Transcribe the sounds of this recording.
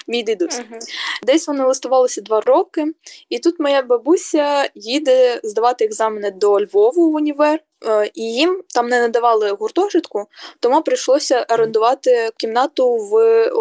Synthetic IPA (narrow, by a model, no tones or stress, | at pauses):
mʲijd̪ɪd̪usd̪ɛsʲʋɔnɪlɐst̪ɐʋɑlˠɪsʲɐd̪ʋɑrɔkɪit̪ut̪mɔjabɐbusʲɐjid̪ɛzd̪ɐʋɑt̪ɪːɡzɑmɪnɛd̪ɔlʲʋɔʋʊʊnʲiʋɛr | ijimt̪ɑmnɛnɐd̪ɐʋɑlˠɪɦʊrt̪ɔʒɪt̪kʊt̪ɔmupɾɪjʃlˠɔsʲɐʔɐɾend̪ʊʋɑt̪ɪkʲimnɑt̪ʊʋ